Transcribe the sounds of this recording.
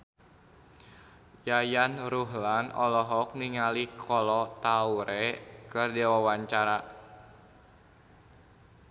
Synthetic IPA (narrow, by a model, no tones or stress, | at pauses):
jajanɾuɦlanɔ̰lɔɦɔk̚niŋalihkʰɔlɔt̪auɾɛkɨrdɛwawaɲt͡ʃaɾa